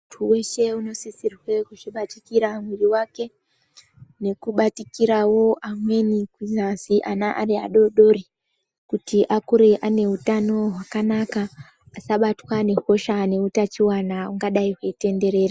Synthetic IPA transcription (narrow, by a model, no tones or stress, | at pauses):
tʰuwe̞ʃe̞uno̞sisirwe̞kuʐiɓatikiɾamwiriwake̞ | ne̞kuɓatikiɾawo̞ʔamwe̞nikwizaziʔanaʔa̰ɾia̰ɗo̞ɗo̞ɾi | kutiʔakuɾeʔane̞utano̞ɦwakanakaː | saɓatwane̞xo̞ʃane̞utat͡ʃiwanauŋɡaɗaiɦwe̞ite̞nde̞ɾe̞ːra